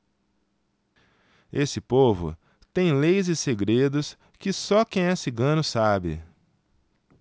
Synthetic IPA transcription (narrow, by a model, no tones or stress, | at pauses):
esɪpovʊ̰ | t̪ẽj̃lejzɪseɡɾed̪ʊs | kɪsɔkẽj̃esɪɡɐ̃nʊsabɪ̰